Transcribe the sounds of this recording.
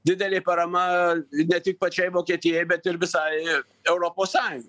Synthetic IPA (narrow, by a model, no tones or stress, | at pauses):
d̪ʲɪd̪ʲɛlʲeːpɐɾɐmɐnʲɛt̪ʲɪk̚pɐt͡ʃʲɛɪʋoːkʲeːt̪ʲɪjɛjbʲɛt̪ɪɾʋʲɪsɑːɪ | ɛʊɾoːpoːssɑːjʊŋɡɐ